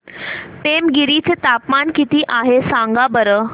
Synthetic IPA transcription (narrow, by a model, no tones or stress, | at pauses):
pemɡiɾit͡set̪apmankit̪iːʔaɦesaŋɡabəɾə